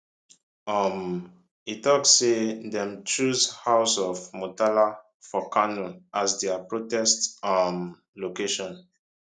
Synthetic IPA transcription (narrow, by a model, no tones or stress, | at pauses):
ɔm | itɔksːedɛ̃mt͡ʃuzhaʊsɔfmotala | fɔkanuʔasdɛapɹotɛstam | lokeʃɔ̃n